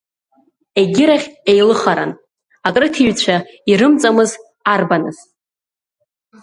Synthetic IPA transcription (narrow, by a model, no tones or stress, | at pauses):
e̞ɡʲɪɾaχʲejlɨχaɾa̰n | akʼrɨtʰiɥt͡ɕʷʰaiɾɨmt͡sʼamɨz | arbanɨ̰z̥